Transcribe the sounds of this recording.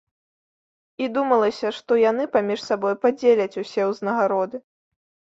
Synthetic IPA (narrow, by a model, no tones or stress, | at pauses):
id̪umɐlˠɐsʲɐʂt̪ɔjanɨpamʲiʂsabɔjpad͡zʲelʲɐt͡sʲusʲɛwznɐɣaɾɔd̪ɨ